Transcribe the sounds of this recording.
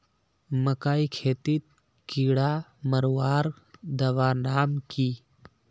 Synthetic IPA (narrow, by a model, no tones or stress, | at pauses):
mɐkaːikʰeːt̪it̪̚ | kiːɽaməɾwaːɾ | d̪ɐʋaːnaːmkiː